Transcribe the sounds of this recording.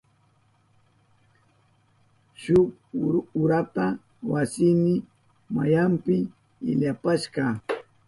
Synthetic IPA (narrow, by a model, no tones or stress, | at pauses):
ʃʊkʊɾat̪a | wasɪmɪ | ma̰jampɪ | ɪ̰ʎapaʃɢɑ